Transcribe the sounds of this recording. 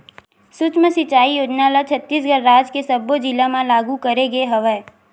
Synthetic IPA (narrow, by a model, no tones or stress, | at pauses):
sʊt͡ʃməsɪt͡ʃaːijoːd͡ʒnalat͡ʃʰət̪ːiːs̬ɡəɾːaːd͡ʒkesɐbod͡ʒɪlamãlaːɡukɐɾeɡeɦɐʋə